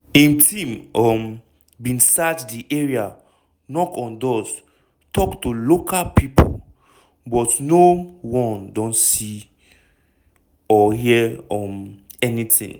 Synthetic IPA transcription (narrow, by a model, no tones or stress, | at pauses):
ĩntʰĩmɔm | bĩnsatdiʔɛɹia | nɔkɔ̃ndɔs | tʰɔktulokʰalpipʰo̰l | bɔtnowɔ̃ndɔ̃nsi | ɔɦiɔ̃m | ɛnitḭ̃ŋ